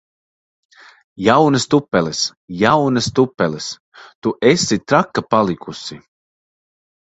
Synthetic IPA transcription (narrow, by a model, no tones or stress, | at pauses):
jawnɨst̪upːɛlɛsjawnɨst̪upːɛlɛs | t̪uʔesit̪ɾakːapalˠikʰusi